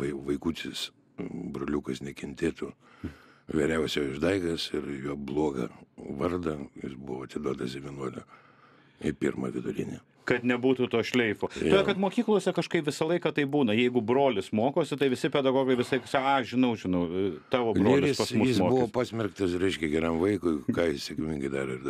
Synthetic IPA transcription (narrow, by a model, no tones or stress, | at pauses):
ɐɪʋɐɪkuːt̪ʲɪs | bɾoːlʲukɐsnʲɛkʲɛnʲt̪ʲeːt̪u | ʋʲɛɾʲɛʊsʲjɛɪʒd̪ɐɪɡɐsɪɾjuɔblˠoɔɡɐ̰ʋɐrd̪ɐjɪsbʊʋoɐt̪ʲɪd̪oːd̪ɐsdʲɛʋʲiɛnuɔlʲʊ | ɪpʲɪrmɐ̰ʋʲɪd̪ʊɾʲɪ̰nʲe | kɐt̪nʲɛbuːt̪uːt̪oːʃʲlʲɛɪfoːt̪okɐt̪moːkʲiːklˠuːsʲɛkɐʃkɐɪpʋʲɪsɐlˠɐɪkɐt̪ɐɪbuːnɐjɛɪɡʊbɾoːlʲɪsmoːkoːsʲɪt̪ɐɪʋʲɪsʲɪpʲɛd̪ɐɡoːɡɐɪʋʲɪsɐɪksɑɐʃʒʲɪnɐʊʒʲɪnɐʊt̪ɑːʋoːbrɡʲiɾʲɪsɪspɐsmʊjsɪsmoːkbʊʋoːpɑːsʲmʲɛrkt̪ɐsɾʲɛɪʃʲkʲɛɡʲɛɾʲɛmʋɐɪkʊɪkɑːjɪssʲekmʲɪŋɡɐɪd̪ɑɾɐɪ